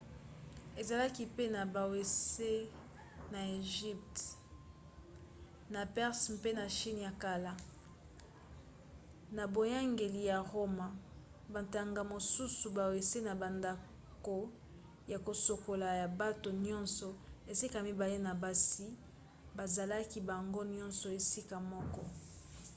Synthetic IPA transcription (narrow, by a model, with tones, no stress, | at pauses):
e˨za˨la˦ki˦pe˦na˨ba˨we˨se˦ | na˨e˨ʒi˦p̚t | na˨pɛ˦ʁspe˦na˨ʃi˦n˨ja˨ka˨la˦ | na˨bo˨ja˦ŋɡe˨li˨ja˨ʁo˦ma˨ | ba˨nta˨ŋɡa˨mo˨su˦su˨ba˨we˨se˦na˨ba˨nda˨ | ko˨ | ja˨ko˨so˨ko˨la˨ja˨ba˦to˨nɔ̃˦nsɔ˨e˨si˦ka˨mi˨ba˨le˦na˨ba˨si˦ | ba˨za˨la˦ki˦ba˨ŋɡo˦njɔ̃˦nsɔ˨e˨si˦ka˨mɔ˦kɔ˦